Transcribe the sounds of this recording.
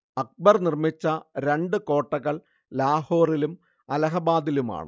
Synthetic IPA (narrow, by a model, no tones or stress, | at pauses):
ɐk̚bɐrnirmit͡ɕːɐɾe̞ɳɖɨko̞ːʈːɐɣɐɭ | laːho̞ːrilum | ɐlɐɦɐbaːd̪iluma̰ːɳɨ̰